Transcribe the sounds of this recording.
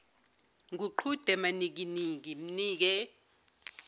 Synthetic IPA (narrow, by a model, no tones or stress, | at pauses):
ŋuǃʰud̥ʱɛmanik̬iniŋk̬im̩niːk̬ɛ